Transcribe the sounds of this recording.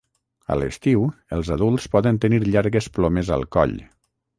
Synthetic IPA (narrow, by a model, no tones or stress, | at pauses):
ə̰ləst̪iwəlˠzəðulˠspɔðənt̪əniɾʎaɾɣəsploməzə̰lˠkɔ̰ʎ